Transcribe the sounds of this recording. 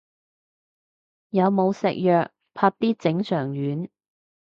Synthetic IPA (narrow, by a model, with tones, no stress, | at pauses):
jɐ˨˧wmo˨˧wsɪ̰˨k̚jœː˨k̚ | pʰaː˧t̚t̪iː˥t͡sɪ˨˥ŋsœː˨˩ŋjyː˨˥n